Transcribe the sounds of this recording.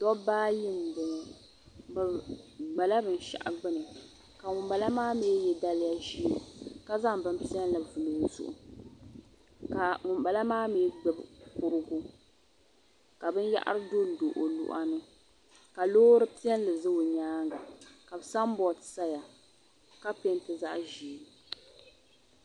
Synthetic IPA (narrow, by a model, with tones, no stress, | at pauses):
dɔ˦baː˦ji˦m˨bɨ˨ | bɨ˨ɡ͡ba˨la˦bɨ˨n˦ʃa̰˨ʔa̰˨ɡ͡bɨ˦nɨ˨ | ka˨ŋʊ˨mba˨la˦maː˦me˨˦jɛ˨da˦lɪ˦ja˦ʒi˦ka˦za˦ŋ˨bɨ˦m˦pi˦ɛ˦n˦la˨vu˨lo˨jzʊ̰˨ʔʊ̰˨ | ka˨ŋʊ˨mba˨la˦maː˦me˨˦ɡ͡bɛ˦bkʊ˦ɾɨ˦ɡu˦ | ka˨bɨ˦n˦ja̰˦ʔa̰˦ɾɨ˦do˦n˨do˨ʔo˨lṵ˦˨ʔa˦nɨ˦ | ka˨loː˦ɾɨ˦pi˦ɛ˦n˦lɨ˨zɨ˦wo˨ɲaː˦ŋɡa˨ka˨bsa˦m˦bɔ˨tsa˦ja˨ | ka˦pe˦n˦tɨ˨za˦ʔʒi˨˦˨